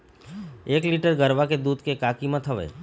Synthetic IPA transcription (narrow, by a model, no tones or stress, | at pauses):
eːkliːʈəɾɡəɾʋaked̪uːd̪kekaːkimə̃t̪ʰəʋḛː